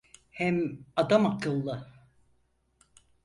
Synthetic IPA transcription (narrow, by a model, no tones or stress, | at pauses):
hɛmad̪amakʰɯlˠːɯ